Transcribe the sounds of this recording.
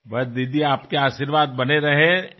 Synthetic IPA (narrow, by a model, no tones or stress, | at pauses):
bɐd̪id̪iaːpkeaːʃiɾʋaːd̪̚bɐneɾɐɦẽ